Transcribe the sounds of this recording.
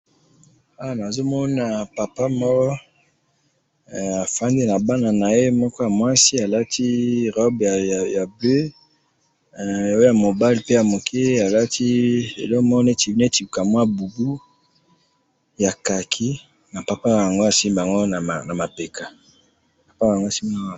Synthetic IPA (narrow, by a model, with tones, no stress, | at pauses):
a˨˦a˨na˨zo˦mɔ˦na˨pa˨pa˦mɔ˦ɔ˦˨ | a˨fa˦nde˦na˨ba˦na˨na˨e˦mɔ˦kɔ˦ja˨mwa˦si˦a˨la˦tʰi˦ʁɔ˦ba˨ja˨be˦˨ | o˦ja˨mo˨ba˦li˨pe˦ja˨mo˨kʰe˦a˨la˦tʰi˦ḛ˨lɔ˦kmɔ˦ɔ˦ne˦ti˨vne˦ti˨ka˨mwa˦bu˨ɡu˦ | ja˨ka˨kʰi˦ | na˨pa˨pa˦˨a˨ŋɡo˦a˨si˦mba˨ŋɡo˦na˨na˨ma˨pe˨kʰa˨ | pa˨pa˦a˨ŋɡo˦˨si˦mba˨˦˨